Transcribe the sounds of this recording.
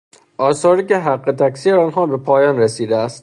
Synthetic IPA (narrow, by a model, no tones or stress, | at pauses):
ʔɒːsɒːɾiːkeɦæɡːe̞t̪ʰæksiːeɒːnɦɒːbe̞pʰɒːjɒːnɾesiːd̪eæst̪̚